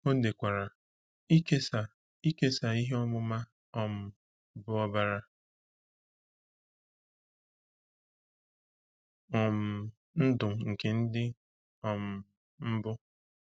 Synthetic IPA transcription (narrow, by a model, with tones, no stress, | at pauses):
o˦de˨kʷa˨ɾa˨ | i˦ke˦sa˨ | i˦ke˦sa˨i˦ɦe˦ɔ˦mʊ˦ma˦ | ɔ˨m̩˦ | bʊ˦ɔ˦ba˦ɾa˦ | ɔ˨m̩˨ | n̩˦dʊ˨ŋ̩˨ke˨n̩˦dɪ˦ | ɔ˨m̩˨ | m̩˦bʊ˦